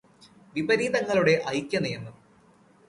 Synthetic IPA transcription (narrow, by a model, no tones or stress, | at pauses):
ʋibɐɾiːd̪ɐŋːɐɭuɽe̞ʔɐjkʲːɐnejɐnːu